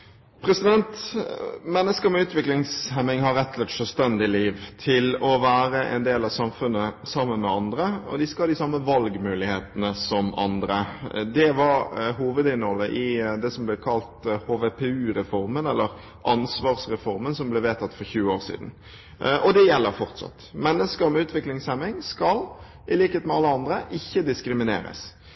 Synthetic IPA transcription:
pʰɾɛsɪd̪ɛnt̪ | mɛnːəskəmɛʉːt̪ʋɪklɪŋshæmɪŋhɑɾɛt̪ːlət̪ʂœlst̪ɛnd̪ɪliːʋt̪ʰɪlɔʋæːɾəʔɛ̰nd̪eːlɑʋsɑmfʉnːəsɑmːənmɛɑnd̪ɾəɔ̰d̪ɪskɑhɑːd̪ɪsɑmːəʋɑlɡmʉːlɪheːt̪ənəsɔmɑ̰nd̪ɾəd̪ɛʋɑɾɦuːʋəd̪ɪnhɔlːəʔɪd̪ɛsɔmblɛkʰɑlt̪hoːʋepʰɛʉːɾɛfɔɾmənɛlːəɾ | ʔɑnsʋɑːʁsɾɛfɔɾmənsɔmblɛʋeːt̪ɑt̪fɔɾçʉːəoːʁsḭːd̪n̩ | ʔɔd̪ɛjɛlːəɾfɔɾt̪sɑ̰t̪mɛnːəskəɾmɛʉːt̪ʋɪklɪŋsɛmɪŋskɑl | ɪliːkəheːt̪mɛɑlːəɑnd̪ɾəʔɪçːəd̪ɪskɾɪmɪnḛːɾə̰s

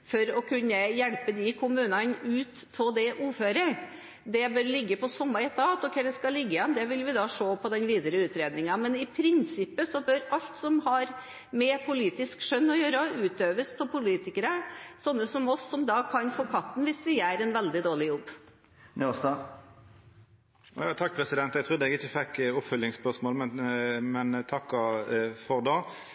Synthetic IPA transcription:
fɔɾɔkʰʉnːəjɛɭpəd̪ɪkʰʊmʉːnɑnʉːt̪ʰːɔd̪ɛʔuːføːɾə | d̪ɛbøɾlɪɡːəpɔsɔmːɑɪt̪ʰɑt̪ɔkʰɛd̪ɛskɑlɪɡːəɪjɛnd̪ɛʋɪlʋɪd̪ɑːʂoːpʰɔd̪ɛnʋiːd̪əɾəʉːt̪ɾeːd̪nɪŋɑmɛnɪpʰɾɪnsɪpːəsɔbøɾɑʎt̪sɔmhɑɾ | mɛpʰʊliːt̪ɪskʂœnːɔjøːɾəʉːt̪øːʋəst̪ʰɪlpʊliːt̪ɪkəɾəsɔnːəsɔmɔsːɔmd̪ɑkʰɑnfoːkʰɑt̪ːn̩ʋɪsʋɪjæːɾɛnʋɛld̪ɪd̪oːɭɪjɔbː | nɔst̪ɑ | jɑːt̪ʰɑk̚ːpʰɾɛsɪd̪ɛnt̪ɛɡ̚t̪ɾʉd̪əɛɡɪçəfɛkːʊpfœlːɪŋspœʂmoːlmɛnmɛnt̪ʰɑkːɑfɔʁd̪ɑː

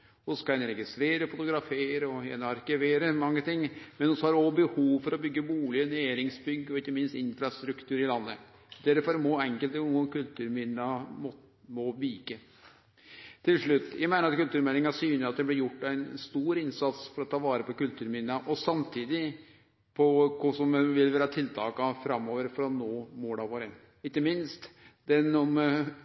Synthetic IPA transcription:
ɔskɑɛnɾɛɡɪst̪ɾeːɾəfʊt̪ʊɡɾɑfeːɾəɔɛ̰nɑɾkɪʋeːɾəmɑŋːət̪ɪŋːmɛnɔsɔhɑɖɔbəhuːʋfɔɾɔbʏɡːəbuːlɪəneːɾɪŋsbʏɡːɔɪkːəmɪnst̪ɪnfɾɑst̪ɾʉkt̪ʰʉːɾɪlɑnːə | d̪̥ɛɾfɔɾmɔɛŋkəlt̪uːəkʉlt̪ʰʉːɾmɪnɑm | mɔʋiːkə | t̪ʰɪlʂɭʉt̪ːjæɪmæɪəɾɑt̪̚kʉlt̪ʉːɾmɛlɪŋɑsyːnɪɑt̪̚d̪ɛblɪɾjʊʈːæɪnst̪uːɾɪnsɑt̪sfɔɾɔt̪ʰːɑːʋɑːɾəpɔkʉlt̪ʰʉːɾmɪnɑʔɔsɑmt̪ʰiːd̪ɪ | pʰɔkʰɔsɔmʋɪlʋæːɾɑt̪ʰɪlt̪ʰɑ̰ːkɑfɾɑmːoːʋəɾfɔɾɑnoːmoːɖ̪ɑʋoːɾən | ɪkːəmɪnst̪d̪ɛnɔm

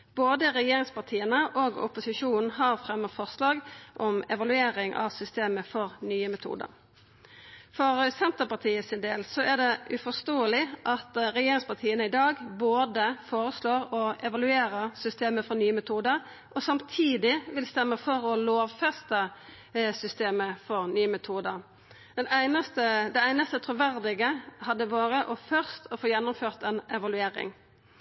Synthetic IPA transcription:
b̥oːd̪əʁɛjeːɾɪŋspɑʁt̪ʰiːənəʔɔɡʊ̰pʊsɪʂuːnn̩ɦɑʁfʁɛmːəfɔʁslɑːɡʔɔmɛ̰ʋɑlʉeːɾɪŋʔɑ̰ʋsʏst̪eːməfɔʁnyːəmɛt̪ʰṵːd̪ə̰ɾ | fɔʁsɛnt̪əʁpɑt̪ʰiːəsɪnd̪eːlsɔʔæɖ̪ɛʔʉfɔst̪oːəlɪʔɑt̪ʁɛjeːɾɪŋspɑʁt̪ʰiːənəɪd̪ɑːɡboːd̪əfoːɾəsloːʁɔɛʋɑlʉeːɾəsʏst̪eːməfɔnyːəmɛt̪ʰuːd̪əɾ | ʔɔsɑmt̪ʰiːd̪ɪʋɪlst̪ɛmːəfɔɾɔloːʋfɛst̪ə | sʏst̪eːməfɔɾnyːəmɛt̪ʰuːd̪əɾ | d̪̥ɛnæɪnəst̪əd̪ɛæɪnəst̪ət̪ʰɾʊʋæɾd̪ɪɡəhɑd̪ːəʋɑːɾəʔɔfœʁst̪ɔfoːjɛnːʊmføːʁt̪ɛnɛʋɑlʉeːɾɪ̰ŋ

